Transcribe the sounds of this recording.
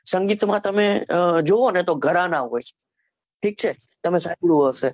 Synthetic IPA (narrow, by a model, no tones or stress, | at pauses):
sɐ̃ŋɡiːt̪ʊmat̪ɐmẽd͡ʒoɦonẽt̪oɡʱəɾãnaɦoːi | ʈʰiːk̚t͡ʃʰet̪ɐmẽsaːuɽuɦose